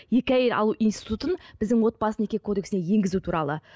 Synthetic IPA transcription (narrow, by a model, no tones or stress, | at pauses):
je̞kʲæjeɾɑ̰lˠuʔijnsi̥t̪ut̪ənb̥ɪzd̪ɪŋwo̞t̪̚bɑsəne̞kʲekʰo̞d̪e̞ksɪneje̞ŋɡʲɪzut̪ʰuɾɑ̰lˠə̰